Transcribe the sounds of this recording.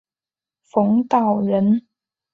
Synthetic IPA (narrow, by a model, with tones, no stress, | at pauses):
fɤ˧˥ŋt̪ɑ˥˨˩ʊɻə˧˥n